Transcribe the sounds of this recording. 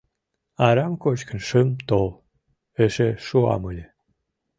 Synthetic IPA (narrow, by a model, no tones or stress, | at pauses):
ɑɾɑmkot͡ɕkə̆nʃɨmt̪ol | eʃeʃuɑ̰məlʲe